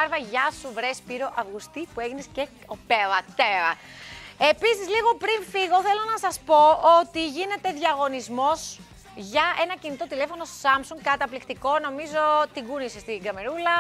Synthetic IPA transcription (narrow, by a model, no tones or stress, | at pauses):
ɐɾvɐʝɐsuvɾe̞spiɾo̞ʔɐvɣust̪ipueʝinesce̞ | opeðɐt̪eɾɐ | e̞pisizliɣo̞pɾinfiɣo̞θe̞lo̞nɐsɐspo̞ot̪iʝine̞t̪e̞ðʝɐɣo̞nizmo̞s | ʝɐe̞nɐcinit̪o̞t̪ile̞fo̞no̞sɐmsuŋɡ̚kɐt̪ɐplikt̪iko̞no̞mizo̞t̪iɡunisest̪iɡɐme̞ɾulɐ